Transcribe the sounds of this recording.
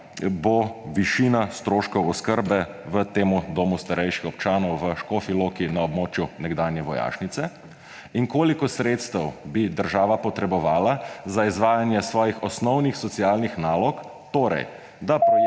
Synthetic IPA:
boʋiʃiːnast̪ɾoːʃkɔwɔskəɾbɛ | ʋət̪eːmud̪oːmust̪aɾɛjʃi̥xɔp̚t͡ʃaːnɔwʋəʃkɔfiloːkinaɔbmoːt͡ʃjunɛɡd̪aːnjɛʋɔja̰ːʃnit̪sɛ | iŋkoːlikɔsɾeːt̪st̪əwbid̪əɾʒaːʋapɔt̪ɾɛbɔʋaːlazaizʋaːjanjɛsʋɔːjixɔsnɔwnixsɔt̪siaːlnixnaːlɔk | t̪oːɾɛ̰j | d̪ap

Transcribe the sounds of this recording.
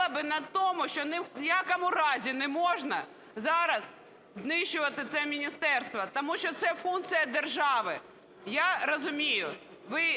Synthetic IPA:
ɐbɪnɐt̪ɔmʊʃt͡ʃɔnɪjɑkɐmʊɾɑzʲinɛmɔʒnɐ | zɑɾɐz | znɪʃt͡ʃʊʋɐt̪ɪt̪sɛmʲinʲist̪ɛrst̪ʋɐt̪ɐmuʃt͡ʃɔt̪sɛfunk̪sɨjɐd̪erʒɑʋɪ | jaɾɐzʊmʲijʊ | ʋɪ

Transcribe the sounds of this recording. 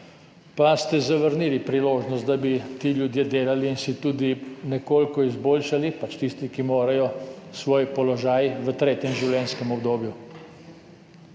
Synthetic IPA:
past̪ɛzaʋəɾnilipɾiloːʒnɔst̪̚d̪abit̪iːljud̪jeːd̪eːlaliːnsit̪uːd̪inɛkoːlkɔizboːlʃalipat͡ʃt̪ist̪ikimoːɾajɔsʋoːjpɔlɔʒaːjʋət̪ɾeːt̪jɛmʒiwlʲjɛːnskɛmɔbd̪oːbju

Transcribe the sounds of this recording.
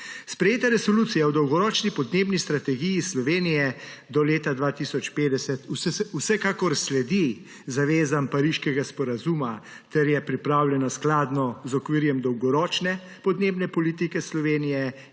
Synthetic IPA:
spɾɛjeːt̪aɾɛsɔluːt̪sijawd̪ɔwɡɔɾɔːt͡ʃnipɔd̪neːbnist̪ɾat̪ɛɡijislɔʋeːnijɛd̪ɔleːt̪ad̪ʋaːt̪isɔt͡ʃpeːd̪ɛsɛt̪usɛusɛkaːkɔɾslɛd̪i | zaʋeːzampaɾiʃkɛɡaspɔɾazuma | t̪ɛɾjɛpɾipɾawljɛnasklaːd̪nɔzɔkʋiːɾjɛmd̪ɔwɡɔɾɔːt͡ʃnɛ | pɔd̪neːbnɛpɔlit̪ikɛslɔʋeːnijɛ

